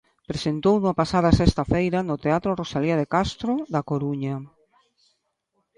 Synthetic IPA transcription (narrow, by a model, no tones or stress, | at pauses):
pɾesent̪ownuapasað̞ɐasest̪ɐfejɾɐnot̪eat̪ɾorosaliað̞ekast̪ɾoðakoɾuɲɐ